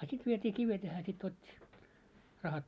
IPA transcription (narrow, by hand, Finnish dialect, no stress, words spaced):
sit ʋietʲiː kiʋet jɑ hæː sit otʲːi rɑhɑt